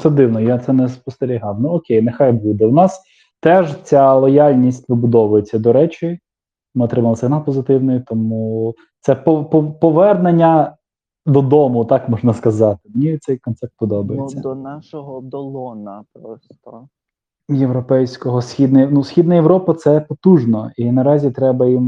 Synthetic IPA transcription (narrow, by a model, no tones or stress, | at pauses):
sɛd̪ɪwnɔjat̪sɛnɛspɔst̪eɾʲiɦɑwnuɔkʲejnexɑjbud̪ɛwnɑs | t̪ɛʒt͡sʲalˠɔjalʲnʲisʲtʲʋɪbʊd̪ɔʋʊjet͡sʲːɐd̪ɔɾɛt͡ʃɪ | mɪɔt̪ɾɪmɐlˠɐsʲɐɦnɑpɔzɪt̪ɪwnɔjit̪ɔmu | t̪sɛpɔpɔpɔʋɛrnenʲːɐ | d̪ɔd̪ɔmʊt̪ɑkmɔʒnɐskɐzɑt̪ɪmnʲit̪sɛjkɔnt̪sɛp̚t̪̚pɔd̪ɔbɐjet͡sʲːɐd̪ɔnaʃɔɦɔd̪ɔlˠɔnɐpɾɔst̪ɔ | jewɾɔpɛjsʲkɔɦɔsʲxʲid̪nɛjnusʲxʲid̪nɐjewɾɔpɐt̪sɛpɔt̪uʒnɔinɐɾɑzʲit̪ɾɛbɐjim